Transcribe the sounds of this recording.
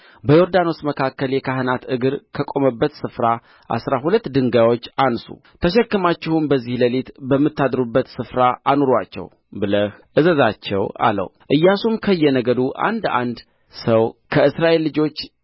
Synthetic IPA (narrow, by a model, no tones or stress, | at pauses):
bəjo̞ɾd̪ano̞sməkʰakːəljɛkʰaɦɨnat̪ɨɡɨɾkʰəkʼo̞məbːət̪sɨfɾa | ʔa̰sɾaɦulət̪ːd̪ɨŋɡajwo̞t͡ʃːʔansṵ | t̪ʰəʃɛkːɨmat͡ʃːɪhunbəzːihləlet̪bəmːɨt̪ːad̪ɾubːət̪sɨfɾaʔanoɾa̰t͡ʃːɛ̰w | bɨləhʔɨzəzat͡ʃːɛ̰wa̰lə̰wʔɨjːasumkʰəjːɛnəɡəd̪uʔa̰nd̪a̰nd̪ | səwkʰəɨsɾaʔe̞lːɨd͡ʒo̞t͡ʃː